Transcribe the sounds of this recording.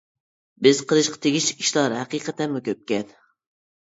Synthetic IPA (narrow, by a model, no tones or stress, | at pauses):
bɪz̥qʰəlˠɨʃqʰɑ̥t̪ʰeɡʲiʃiʃlˠɑɾhæqiqʰæt̪ɛnmʊkʲʰøp̚kʲɛn